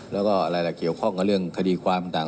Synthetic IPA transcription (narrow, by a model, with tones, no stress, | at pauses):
lɛː˦˥wkɔː˥˩ʔa˧ɾa˧jlɛː˨˩ki˨˩əwkʰɔ˥˩ŋka˧˥˩lɯ˥˩əŋkʰa˧diː˧kʰwaː˧mt̪aː˨˩